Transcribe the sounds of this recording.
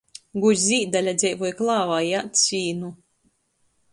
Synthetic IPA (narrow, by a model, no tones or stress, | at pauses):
ɡuzʲiːd̪alʲad̪zʲɛjvujklˠaːvajat̪sʲiːnu